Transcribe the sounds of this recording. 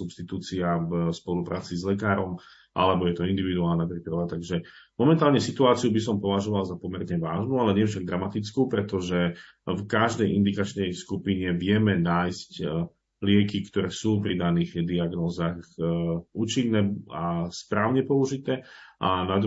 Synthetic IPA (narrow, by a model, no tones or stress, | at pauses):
supst̪it̪uːt͡siavspɔlupɾʔa̰ːt͡sizlɛkaːɾɔm | ʔa̰lɛbɔjɛt̪ɔind̪iʋid̪uaːlnapɾipɾaʋat̪aɡʒɛ | mɔmɛnt̪aːlɲɛsit̪uaːt͡siubis̬ɔmpɔʋaʒɔʋalzapɔmɛɾɲɛʋaːʒnualɛɲɪɛfʃaɡ̚d̪ɾamat̪it͡skuːpɾɛt̪ɔʒɛ | fkaʒd̪ɛjʔind̪ikat͡ʃnɛjskupiɲɛʋɪɛmɛnaːjsc | lɪɛkikt̪ɔɾɛːsuːpɾid̪aniːɣd̪iaɡnɔːzaxuːt͡ʃinːɛːaspɾaːʊɲɛpɔuʒit̪ɛːʔanad̪